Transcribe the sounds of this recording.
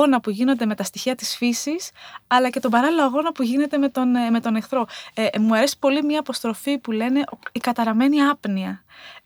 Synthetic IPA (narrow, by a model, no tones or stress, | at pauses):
onɐpuʝino̞nd̪e̞me̞t̪ɐst̪içiɐt̪isfisisɐlɐce̞t̪o̞bɐɾɐliloɐɣo̞nɐpuʝine̞t̪e̞met̪onme̞t̪o̞nexθɾo̞emuɐɾe̞si̥po̞limɲɐipo̞st̪ɾo̞fipule̞ne̞ʔikɐt̪ɐɾɐme̞niɐpniɐ